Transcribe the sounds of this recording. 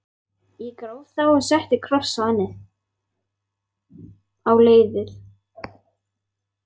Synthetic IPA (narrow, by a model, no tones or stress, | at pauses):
jɛkɾoːwðθawɔɣsɛht̪ɪkʰɾɔsaanːɪ | awleːjðɪð